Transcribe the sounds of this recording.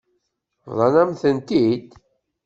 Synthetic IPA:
vðˤɑnæmθənt̪id̪

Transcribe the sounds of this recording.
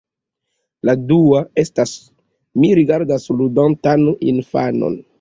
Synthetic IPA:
laduae̞stas | miɾiɡaɾdasludantanḭnfano̰n

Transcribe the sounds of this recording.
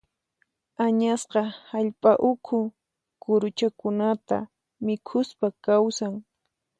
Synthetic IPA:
aɲasqɑhaʎpʼaʔʊkʰʊ | kʊɾʊt͡ʃakʊnat̪a̰ | mɪkʰʊspakawsaŋ

